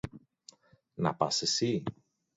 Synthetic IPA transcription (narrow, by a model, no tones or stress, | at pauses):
nɐ̰pɐ̰sesi